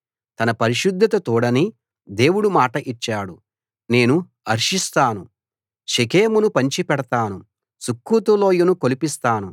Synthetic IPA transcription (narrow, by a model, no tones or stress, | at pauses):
t̪ɐnɐpɐɾiʃud̪ʱːɐt̪ɐt̪uːɽɐni | d̪e̞ːwuɽumaːʈɐʔit͡ʃːaːɽu | ne̞ːnu | ɐɾʂist̪aːnu | ʃekeːmunupɐɲt͡ʃipɛɽɐt̪aːnu | sukːut̪ulo̞ːjunukolipist̪aːnu